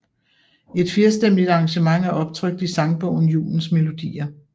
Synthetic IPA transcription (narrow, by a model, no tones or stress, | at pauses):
e̝d̥fiɐsd̥em̰lid̥ɑ̈ːŋɕəmɑ̈ŋ̰æɐʔɒ̽b̥̚t͡sʰʁœɡ̥̚d̥isɑ̈ŋb̥ɔʊ̰n̩jṵːln̩sme̝lo̝d̥ḭːɐ